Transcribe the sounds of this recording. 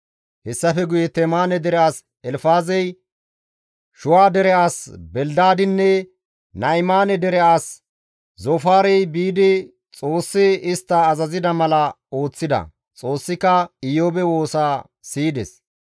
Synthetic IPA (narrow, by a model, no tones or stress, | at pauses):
hɛsːɐfɛɡʊjɛt̪ɛmaːnɛd̪ɛɾɛaːs | ɛlfaːzɛj | ʃʊwaːd̪ɛɾɛʔaːsbɛld̪aːd̪ɪnːɛ | nɐjmaːnɛd̪ɛɾɛʔaːs | zofaːɾɛjbiːd̪ɪ | t͡sʼo̞ːsːɪɪst̪ːɐːzɐzɪd̪ɐmɐlɐ | o̞ːt͡sːɪd̪ɐ̰ | t͡sʼo̞ːsːɪkɐɪjoːbɛwo̞ːsaː | siːd̪ɛ̰s